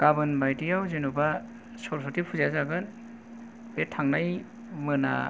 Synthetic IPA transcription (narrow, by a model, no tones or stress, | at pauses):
ɡ̥abɯnbajtijawzenuba | sɔɾsʰɔtipʰuzazaɡɯn | betʰaŋnaj | mɯna̰